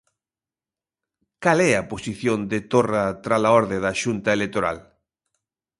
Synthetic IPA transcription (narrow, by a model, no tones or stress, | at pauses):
kalɛɐposiθjond̪et̪orat̪ɾalaɔɾðeðaʃunt̪ɐelek̚t̪oɾa̰l